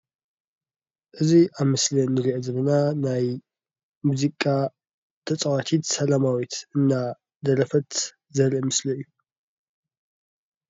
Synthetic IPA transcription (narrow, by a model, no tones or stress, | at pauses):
ʔɨziʔaβmɨslɐnːɨɾiʔezɐβɐnanaj | muzikʼːa | t̪ʰɐt͡sʼɐwat̪ʰit̪sɐlamawit̪ɨnːa | d̪ɐɾɐfɐt̪ | zɐlɨmɨslɐɨjːu